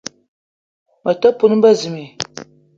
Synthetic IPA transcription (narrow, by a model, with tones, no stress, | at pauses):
ma˨ta˦pʊ˦nɨ˦ba˦zɨ˨me˨